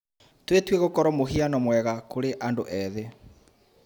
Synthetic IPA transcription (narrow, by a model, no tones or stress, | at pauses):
twetweɣokɔɾɔmoɦianɔmwɛɣakoɾeʔandoʔɛðe